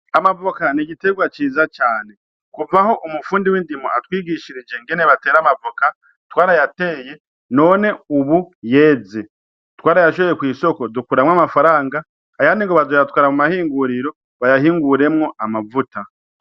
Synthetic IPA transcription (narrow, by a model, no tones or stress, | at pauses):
amavokaniɟite̞ɡwat͡ʃiːzat͡ʃaːne̞ | kuvaho̞ʔumufuːndiwiːndimoatwiːɡiʃiɾid͡ʒe̞ŋɡe̞neβate̞ːɾamavoka | twaːɾajate̞ːje̞ | no̞ːne̞uβuje̞ːze̞ | twaːɾajaʃoβejekwiːso̞ko̞dukuɾamŋamafaɾaːŋɡaː | janiŋɡoβazojat̚waːɾamumahiːŋɡuɾiɾo̞ | βajahiːŋɡuɾe̞mŋo̞amavuta